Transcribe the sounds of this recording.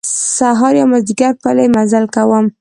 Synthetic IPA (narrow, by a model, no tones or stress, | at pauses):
saɦɑɾjɑwmazd̪iɡaɾpəlemazalkawəm